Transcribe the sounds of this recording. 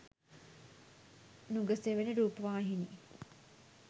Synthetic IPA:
nuɡəseʋenəɾuːpəʋaːɦiniː

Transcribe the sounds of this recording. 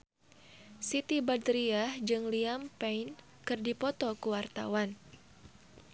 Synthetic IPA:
sit̪ibad̪ɾiahd͡ʒɨŋliampɛjn | kɨrdipɔt̪ɔkuwart̪a̰wan

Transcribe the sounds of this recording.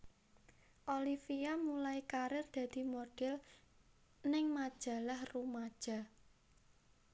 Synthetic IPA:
ʔolifijamulajkaɾɪrd̪̥ä̤d̪̥i̤moɖ̥ɪl | nɪŋmad̥ʒ̥a̤lahrumad̥ʒ̥a̤

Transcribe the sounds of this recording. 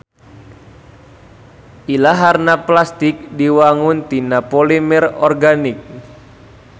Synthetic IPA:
ʔilaɦarnaplast̪ik̚diwaŋunt̪inapɔlimɛrɔ̰rɡanik̚

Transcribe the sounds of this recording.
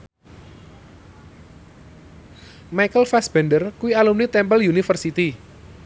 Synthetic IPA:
majkəlfasb̥ɛndərkuwialumnit̪ɛmpəljunifərsit̪i

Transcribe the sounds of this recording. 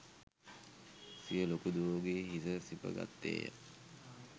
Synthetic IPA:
sijəlokud̪uʋoɡeɦisəsipə̰ɡa̰t̪ːḛːjə̰

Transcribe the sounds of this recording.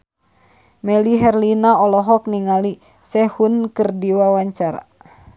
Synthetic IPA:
mɛliɦɛrlinaɔlɔɦɔk̚niŋali | sɛhunkɨrdiwawaɲt͡ʃaɾa̰

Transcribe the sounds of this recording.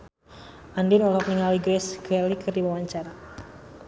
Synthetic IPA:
ʔandinɔlɔk̚niŋaliɡɾɛsɡ̥ɛlikərdiwawaɲt͡ʃaɾa

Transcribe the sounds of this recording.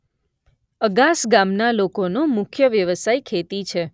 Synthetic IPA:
əɡasɡamnalokonomʊkʰjəʋjəʋəsajkʰet̪it͡ʃʰe

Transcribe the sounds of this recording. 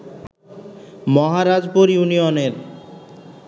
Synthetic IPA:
mɔɦaɾad͡ʑpoɾijunioneɾ

